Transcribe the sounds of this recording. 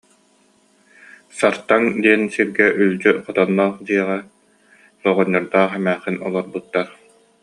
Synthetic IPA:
saɾt̪aŋd̪iɛnsiɾɡɛʔylʲd͡ʑyqɔt̪ɔnːɔːχd̪iɛʁa | lɔʁɔɲːɔɾd̪aːχɛmæːχinɔ̰lˠɔɾbut̪ːaɾ

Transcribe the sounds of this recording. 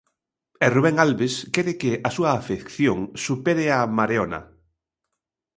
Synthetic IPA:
eruβeŋalβeskɛɾɪkeasuaːfekθjoŋsupeɾeamaɾeona̰

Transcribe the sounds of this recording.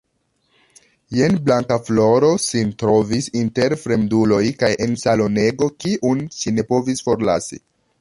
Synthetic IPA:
je̞nblaŋkaflo̞ɾo̞sintɾo̞visinte̞ɾfɾe̞mdulo̞jkajʔe̞nsalo̞ne̞ɡo̞kiʔunʃine̞po̞visfo̞ɾla̰sḭ

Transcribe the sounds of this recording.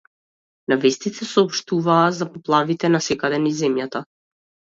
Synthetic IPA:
navɛst̪it̪ɛsɔːpʃt̪uvaːzapɔplˠavit̪ɛnasɛkad̪ɛnizɛmjat̪a

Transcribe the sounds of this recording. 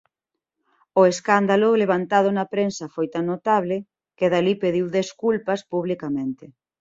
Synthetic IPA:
ʊeskand̪alʊleβant̪að̞ʊnɐpɾensɐfojt̪aŋnot̪aβlɪ | keðalipeðiwðeskulpɐspuβlikamẽnt̪ɪ

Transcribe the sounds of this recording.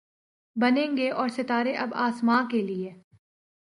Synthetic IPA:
bɐnẽːŋɡeʔɔːɾsɪt̪aːɾeʔɐbaːsmãːkelie

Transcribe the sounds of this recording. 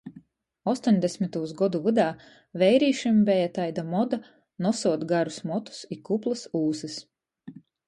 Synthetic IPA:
ɔst̪ɔɲʲd̪esmit̪uːsɡɔd̪uvɨd̪aː | vɛjɾiːʃimbɛjat̪ajd̪amɔd̪a | nɔsuɔd̪ɡaɾusmɔt̪u̥sikuplˠɨsuːsis

